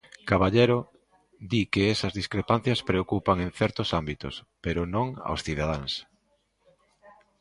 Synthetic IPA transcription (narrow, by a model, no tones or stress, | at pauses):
kaβaʎeɾo | d̪ikeesɐzðiskɾepan̟θjɐspɾeokupaŋenθɛɾt̪osambit̪ʊ̰speɾʊnõŋa̰wsθiðaðaŋs